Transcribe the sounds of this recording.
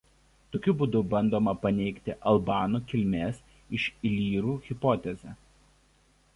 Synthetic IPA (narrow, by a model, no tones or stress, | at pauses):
t̪oːkʲʊbuːd̪ʊbɐnʲd̪oːmɐpɐnʲɛɪkt̪ʲɪʔɐlˠbɑːnuːkʲɪlʲmʲeːs | ɪʃɪlʲiːɾuːɣʲɪpɔːt̪ʲɛzʲɛ